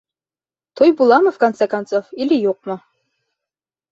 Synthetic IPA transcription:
t̪ʰojbulˠɑmɤfkɐnt̪sekɐnt̪sofilɘjuq̚mo

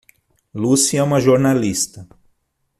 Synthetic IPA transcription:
lusiɛũmɐʒoɾnalist̪ɐ

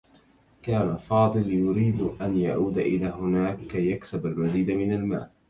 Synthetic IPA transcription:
kaːnafɑːd̪ˤɨljʊɾiːd̪ʔanjaʕuːd̪aʔɪlaːhʊnaːkːajːaksabalwaziːd̪amɪnalma̰ːl

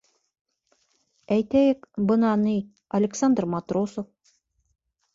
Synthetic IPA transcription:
æjt̪æjɘkbɤ̆nɑnij | ɐlʲɪksand̪rmat̪rosof

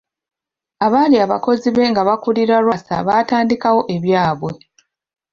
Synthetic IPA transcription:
aβaːliaβako̞ziβe̞ŋɡaβakuliɾaɾwasa̰βaːtaːndikawo̞ʔe̞βjaːβwe̞

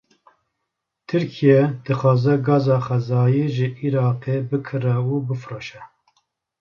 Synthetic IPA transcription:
t̪ʰɨɾkʰijɛd̪̥ɨxɑːzɛɡɑːzɑːχɛzɑːjiʒɨʔiɾɑːqebɨkʰɨrɛubɨfɾoːʃɛ

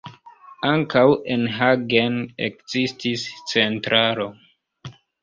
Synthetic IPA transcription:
aŋkawenɦaɡenḛkzistist͡se̞ntɾaɾo̞

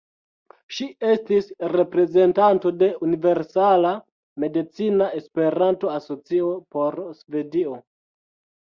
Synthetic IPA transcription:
ʃie̞stisɾe̞pɾe̞ze̞ntanto̞de̞unive̞ɾsala | me̞dit͡sinae̞spe̞ɾanto̞aso̞t͡sio̞po̞ɾsve̞dio̞

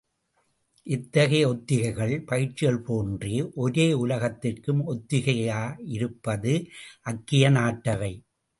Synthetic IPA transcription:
ʔɪt̪ːɐɣɐjɐɔt̪ːɪɣɐɪɣɐɭpɐjɪt͡ʃːɪjɐɭpoːndriʔɔɾeːʊlɐɣɐt̪ːɪrkɯmɔt̪ːɪɣɐɪjaːɪɾɯpːɐðɯʔɐkːɪjɐnaːʈːɐʋɐɪ

